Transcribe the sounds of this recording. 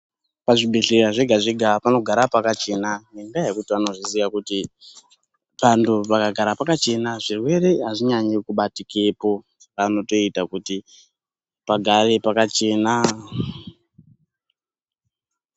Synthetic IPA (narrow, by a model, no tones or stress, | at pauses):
paʐibʱeɬeɾaʐeɡʱaʐiɡʱapano̞ɡʱaɾapakat͡ʃe̞naneŋɡajekutiʋano̞ʐizijakuti | ʋantʰuʋakaɡʱaɾapakat͡ʃe̞naʐirwe̞ɾe̞ɦaʐiɲaɲikuɓatikepo̞ | ano̞to̞itakuti | paɡʱaɾepakat͡ʃe̞na